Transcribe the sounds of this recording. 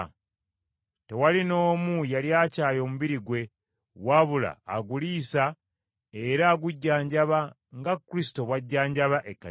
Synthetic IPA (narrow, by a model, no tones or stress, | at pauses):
te̞walino̞ːmujaljaːcaːjo̞ːmuβiɾiɡwe̞ | waβula̰ːɡuliːsa | e̞ɾaːɡuɟːaːɲɟaβa | ŋɡakːuɾisi̥to̞βwaɟːaːɲɟaβaʔekːa